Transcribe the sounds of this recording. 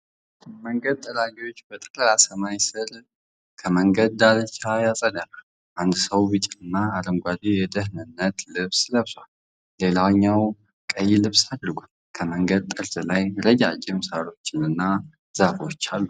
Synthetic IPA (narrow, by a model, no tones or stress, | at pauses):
məŋɡəd̪̚t̪ʼːəlaɡiwo̞t͡ʃːbət̪ʼəkʼləasəmajsɨɾ | kʰəməŋɡəd̪̚d̪alət͡ʃʰajasʼəd̪aɾal | ʔand̪səwbɨt͡ʃʼɪnɨnːaːləŋɡʷad̪ijɛd̪əɦnɨnːət̪lɨβsləβswalː | e̞lawɲːaw | kʼəjːɪlɨβsad̪ɾɨɡʷal | kʰəməŋɡəd̪̚t̪ʼəɾzʼɨlajɾəd͡ʒa̰d͡ʒɪmsaɾo̞t͡ʃːɪnɨnːa | z̥afo̞t͡ʃːalːu